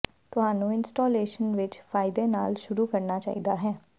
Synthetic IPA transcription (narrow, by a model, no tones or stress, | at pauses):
t̪ʊɦaːnũːɪnsʈoːleːʃənʋɪt͡ʃfʰaːɪd̪ena̰ːlʃʊɾuːkəɾnaːt͡ʃa̰ːḭːd̪aːɦɛː